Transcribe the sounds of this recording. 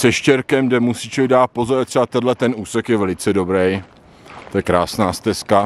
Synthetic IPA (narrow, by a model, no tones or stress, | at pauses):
sɛʃcɛɾkɛmdɛmusiːt͡ʃɪdaːt̪̚pozoɾt̪sɛbat̪ɛdlɛt̪ɛnuːsɛkjɛvɛlɪt͡sɛdo̞bɾɛj | t̪ojɛkɾaːsnaːst̪ɛska